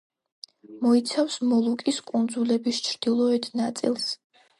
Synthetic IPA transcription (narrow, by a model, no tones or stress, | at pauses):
mɔit̪sʰafsmɔlˠukʼiskʼund̪zulɛbist͡ʃʰɾd̪̥ilˠɔɛt̪ʰnat̪sʼḭlˠs